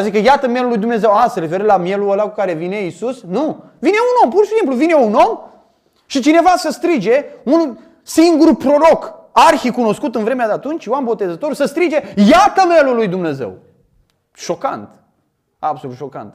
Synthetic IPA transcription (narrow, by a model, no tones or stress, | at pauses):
azik̬əjat̪əme̞lulujd̪umne̞ze̞wasəɾefe̞ɾəlamje̞luəlakukaɾe̞vineisusnu | vine̞uno̞mpurʃisimpluvine̞uno̞m | ʃit͡ʃine̞vasəst̪ɾid͡ʒe̞un | siŋɡuɾupɾo̞ɾo̞karxikuno̞skut̪ɨnvɾe̞mead̪eat̪unt͡ʃʲjoambo̞t̪e̞zət̪o̞ɾusəst̪ɾid͡ʒe̞jat̪əmelulujd̪umne̞ze̞̰w | ʃo̞ka̰nt̪ | abso̞lut̪ʃo̞ka̰nt̪